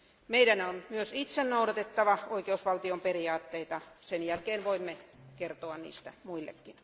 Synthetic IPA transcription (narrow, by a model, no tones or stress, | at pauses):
meidænonmyøsit̪sennouɾɑt̪et̪ːɑʋɑoikeusʋɑlt̪iomperiɑːt̪ːeit̪ɑsenjælkeːnʋoimːekert̪oɑnnḭːst̪æmuilːḛkːin